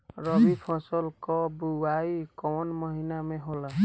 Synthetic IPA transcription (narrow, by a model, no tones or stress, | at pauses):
ɾʌbipʰɔ̃sɔlkɔbuwajkɔwnmʌɦinameɦolʌ